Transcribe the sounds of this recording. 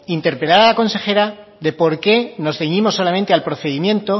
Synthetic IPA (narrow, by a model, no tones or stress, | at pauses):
int̪e̞ɾpɾelaɾalako̞nse̞xe̞ɾaðe̞po̞ɾke̞no̞zðeɲimo̞sːo̞lament̪ealpɾo̞θe̞ðimjẽ̞nt̪o̞